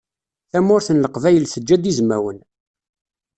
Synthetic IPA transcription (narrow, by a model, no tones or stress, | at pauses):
θæmʊɾθənləqvæjəlsəd͡ʒːæd̪izmæ̰wən